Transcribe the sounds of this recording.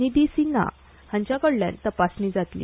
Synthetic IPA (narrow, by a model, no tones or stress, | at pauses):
id̪isina̰ | hãɲt͡ɕjakəɽlja̰nt̪əpasniːd͡zat̪lḭː